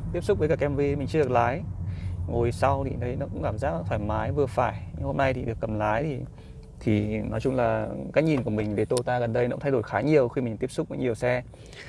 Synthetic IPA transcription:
t̪i˦˥əp̚sʊ˦˥k͡p̚vəː˨˦kaː˧˩kʔɛ˧mvi˧mï˨˩ŋ̟t͡ɕɨ˧ə˧˨˩laː˨˦jŋo˨˩jsa˧wt̪ʰḭ˨˩ɗə˧jnɔ˨˧˦kʊ̰˧˥ŋ͡mkaː˧˩mzaː˦˥k̚ːt̪ʰfaː˧˩jmaː˨˦jvɨ˨˩əfaː˧˩jɲ˧ho˧mna˧jt̪ʰḭ˨˩ɗɨ˨˩əkːə˨˩mlaː˨˦jt̪ʰi˨˩ | t̪ʰi˨˩nɔ˨˦jt͡ɕʊ˧ŋ͡mlaː˨˩kaː˨˥jɲi˨˩nku˧˩əmï˨˩ŋ̟ve˨˦jt̪o˧t̪aː˧ɣə˨˩nɗə˧jnɔ̰˧˥ŋ͡mt̪ʰa˧jo˧˩jxaː˨˦ɲi˨˩əwxi˧mï˨˩ŋ̟t̪i˦˥əpsʊ˦˥k͡p̚və˨˦ɲi˨˩əwsɛ˧

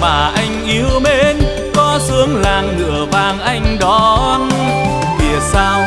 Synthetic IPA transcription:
maː˨˩ʔa˧jŋ̟ʔi˨˧əwme˧˥n | kɔ˨˦sɨ˨˦əŋlaː˨˩ŋːɨ̰˧˨əvaː˨˩ŋʔa˧jŋ̟ɗɔ˨˦n | vḭ˨˩əsaː˧w

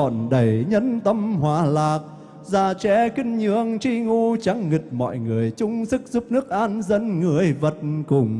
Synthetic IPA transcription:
ɔ˧˨˩nɗə˨˩jɲə˧˥nt̪ə˧mhwaː˨˩laː˨˩k̚ | zaː˧˩t͡ɕɛ˧˦kï˧ŋ̟ɲɨ˧əŋt͡ɕi˧ŋu˧t͡ɕa˨˦ŋːï˨˩k̚mɔ̰˧˨jŋɨ˨˩əjt͡ɕʊ˧ŋ͡msɨ˦˥k̚zu˦˥p̚nɨ˦˥ək̚ʔaː˧nzə˧nŋɨ˨˩əjvə˨˩t̚kʊ˨˩ŋ͡m

